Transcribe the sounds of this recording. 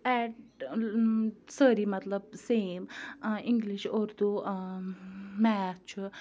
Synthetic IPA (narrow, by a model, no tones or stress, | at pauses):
ɛʈ | səɾimɐt̪ləb̚seːmiŋɡliʃoɾd̪u | mɛːt͡ʃʰ